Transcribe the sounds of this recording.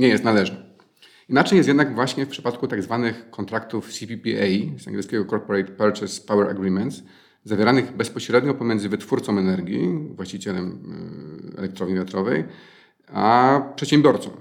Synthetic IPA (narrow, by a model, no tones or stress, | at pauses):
ɲɛjɛst̪nalɛʐnɛ | inat͡ʂɛjɛst̪jɛd̪naɡvwaɕɲɛfpʂɘ̥pat̪̚kut̪aɡzvanɘxkːɔnt̪ɾakt̪ufsʲipʲipʲiɛjsa̰ŋɡʲɛt̪skʲɛɡɔkɔɾpɔɾɛjt̪pɛɾt͡ʂɛspawɛɾa̰ɡɾimɛnt̪z | zavʲjeɾanɘɣbɛspɔɕɾɛd̪ɲɔpɔmʲjɛnzɘvɘt̪fuɾt̪sɔ̃wmɛnɛɾɡʲḭvwaɕt͡ɕit͡ɕɛlɛm | ɛ̰lɛk̚t̪ɾɔvɲivʲjat̪ɾɔvɛj | apʂɛt̪ɕɛ̃mbʲjɔɾt̪sɔ̰̃w